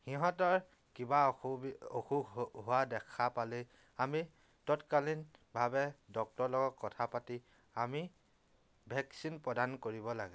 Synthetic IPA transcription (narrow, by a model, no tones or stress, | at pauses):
xiɦɔ̃tɔɹ | kibauoxuɦuwadɛkʰapalɛ | ami | tɔtkalinbʱabɛdɔk̚tɔɹlɔɡɔkkːɔtʰapati | ami | bʱɛksinpɹɔdankoɹibɔla̰ɡɛ